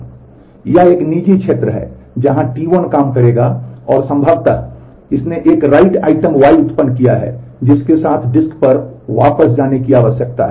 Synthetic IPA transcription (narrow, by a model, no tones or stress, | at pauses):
jɐeːkniːd͡ʒikʃʰeːt̪ɾəɦɛ̰ːd͡ʒɐɦãʈiːʋənkaːmkɐɾeːɡaɔːɾsɐ̃mbʱəʋt̪a̰ | ɪsneʔeːkɾaːɪʈa̰ːɪʈəmʋaːiʊt̪pənkijaɦɛ̰d͡ʒɪskesaːt̪ʰɖɪskpɐɾʋaːpəsd͡ʒaːnekiaːʋəʃjək̚t̪a̰ɦɛ